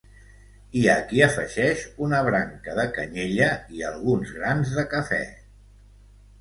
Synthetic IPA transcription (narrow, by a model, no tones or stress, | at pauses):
iəkiəfə̰ʒɛʃunəβɾaŋkəðəkəɲeʎəiəlˠɣunzɣɾanzðəkəfɛ̰